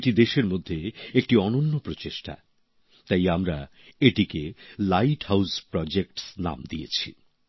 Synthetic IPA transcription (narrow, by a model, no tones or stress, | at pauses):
ʈid̪eʃeɾmod̪ʱːeek̚ʈiɔnonːopɾot͡ɕeʃʈa̰ | t̪ajamɾa̰ | eʈikelajʈhawspɾɔd͡ʑek̚ʈsna̰md̪iet͡ɕʰḭ